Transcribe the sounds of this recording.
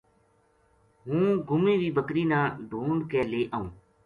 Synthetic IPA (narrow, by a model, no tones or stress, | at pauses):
ɦũːɡʱʊmĩːʋiːbəkɾiːnãːɖʱuːɳɖkeːleːʔəːũː